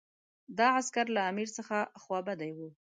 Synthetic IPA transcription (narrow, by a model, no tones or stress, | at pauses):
d̪ɑaskaɾlaːmiɾsəxaxwɑbad̪ajwu